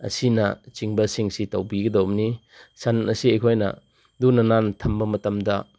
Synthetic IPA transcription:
ɐ̰sinɐ̰t͡ʃiŋbɐsiŋsitɐwbiɡɐdowni | sɐnɐsiɐjkʰojnɐ̰ | dunɐnantʰɐmbɐmɐtɐmdɐ

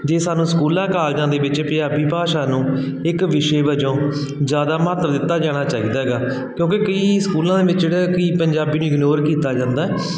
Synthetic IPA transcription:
d͡ʒeːsaːnũːskuːlãːkaːld͡ʒãːd̪eːʋɪt͡ʃpjaːbiːpaːʃaːnũː | ɪkʋɪʃeːbəd͡ʒõː | d͡ʒjaːd̪aːmət̪ʋd̪ɪt̪ːaːd͡ʒaːɽ̃aːt͡ʃaːiːd̪aːɡaː | kjõːkeːkəiːskuːlãːd̪eːʋɪt͡ʃeːɽaːkəiːpəɲd͡ʒaːbiːnũːɪɡnoːɾkiːt̪aːd͡ʒãːnd̪aːɛː

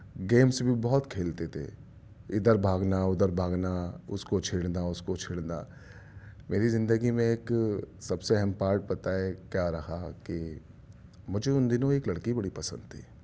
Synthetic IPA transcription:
ɡeːmsbʱibɔːɔt̪kʰeːlt̪et̪ʰḛ | ɪd̪əɾbʱaːɡnaʊd̪əɾbʱaːɡnaʊskot͡ʃʰeːɽnaʊskot͡ʃʰeːɽna̰ː | meːɾizɪ̃nd̪əɡimẽeːksɐbseɛɦɛmpaːɾʈ̚pɐt̪aɦɛkjaɾɐhaki | mʊd͡ʒʱeʊnd̪ɪnõeːklɐɽkibɐɽipɐsə̰̃nd̪̚t̪ʰḭː

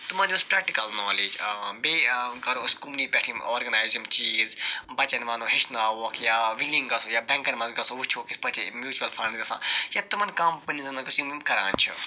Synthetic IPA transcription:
t̪umãːd̪iospɾɛːk̚ʈikɐlnoːleːd͡ʒbekɐɾoskumniːpʲɛʈʰĩmoːɾɡɐnaːjzumt͡ʃiːzbɐt͡ʃɐnʋaːnoːɦɪʃnaːuːɐkʰjaːʋilĩŋɡɐsoːjaːbɛ̃ːŋkɐnmɐ̃zɡɐsoʋut͡ʃʰoːkispɐʈʰimjuːt͡ʃuɐlfʰɐɳɖd̪ɐsã̰ːjaːt̪umɐnkɐmpɐnizɐnɐkisjumimkɐɾã̰ːnt͡ʃʰṵ

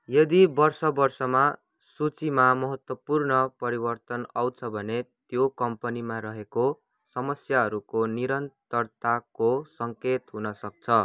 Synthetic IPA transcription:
jʌd̪ibʌrsʌbʌrsʌma | sut͡simamʌɦʌt̪wʌpurnʌpʌɾibʌrt̪ʌnawt͡sʰʌbʱʌnet̪jokʌmpʌnimaɾʌɦeko | sʌmʌsjaɦʌɾukoniɾʌnt̪ʌrt̪akosʌŋket̪ɦunʌsʌk̚t͡sʰʌ

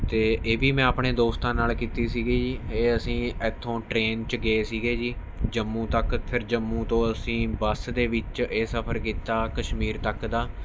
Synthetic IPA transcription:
t̪eːʔeːʋiːmɛ̃ːapɳeːd̪oːst̪ãːnaːlkiːt̪iːsiːɡeːd͡ʒiːeːəsĩːət̪ʰːõːʈɾeːnt͡ʃɡeeːsiːɡeːd͡ʒiː | d͡ʒəmːũːt̪əkpʰɪɾd͡ʒəmːũːt̪õːəsĩːbəsd̪eːʋɪt͡ʃeːsəpʰəɾkiːt̪aːkəʃmiːɾt̪əkd̪aː

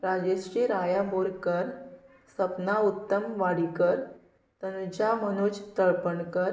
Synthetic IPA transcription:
ɾad͡ʑeɕɾiɾajamboɾkəɾ | səpnaut̪ːəmʋaɽikəɾ | t̪ənud͡ʑamənud͡ʑt̪əɭpəɳkəɾ

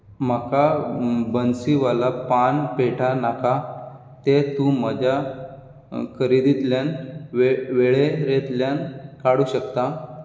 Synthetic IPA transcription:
m̤akabənsiʋalapanpeʈʰanaka | t̪et̪ũm̤əd͡ʑʱa | kʰəɾid̪it̪ljaneʋeɭeɾet̪ljankaɽuːɕəkt̪a

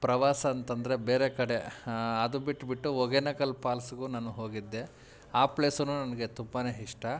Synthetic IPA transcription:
pɾɐʋaːsɐːnt̪ɐnd̪ɐɾebeːɾekɐɽe̞ɐd̪ubiʈːbiʈːuoɡenɐkɐlpaːlsuɡuːnɐnuɦo̞ːɡid̪ːe̞ | aːpleːsɐnuːnɐnɐɡe̞t̪umbaneɦiʂʈɐ

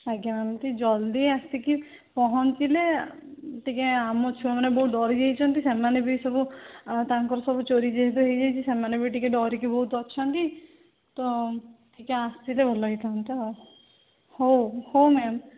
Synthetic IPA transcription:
aɡjamamt̪id͡ʒɔld̪iast̪iki | pɔɦɔnt̪ile | ʈikeamɔt͡ʃʰubamanebɔɦuɖɔɾid͡ʒejt͡ʃʰɔnt̪isemanebisɔbut̪aŋkɔɾɔsɔbut͡ʃoɾid͡ʒeɦet̪uɦejd͡ʒajt͡ʃʰisemanebiʈikeɖɔɾikibɔɦut̪ɔt͡ʃʰɔnt̪i | t̪ɔʈʰikeast̪ilebʱolɔit̪ʰaɦɔnt̪i | hohomɛm

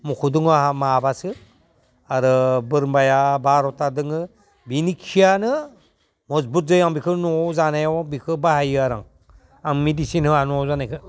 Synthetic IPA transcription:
mukʰuduŋaɦamabasɯ | aɾɯbɯɾmbajabaɾɔtadɯŋɯ | binikʰijanɯ | mɔsbuɾ̚zɯjaŋbikʰɯnɔzanajawbikʰɯbahajɯaɾaŋ | aŋmidisinhɯanɔzanajkʰɯ

